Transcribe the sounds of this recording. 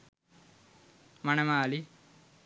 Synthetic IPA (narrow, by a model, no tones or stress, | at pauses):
mɐnemaːli